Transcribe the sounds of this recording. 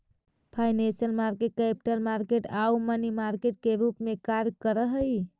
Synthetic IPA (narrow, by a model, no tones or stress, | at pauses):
pʰajnẽnsijəlmaɾkekɛpʈəlmaɾkeʈaumənimaɾkeʈ̚keɾupmekaɾjkəɾəɦəj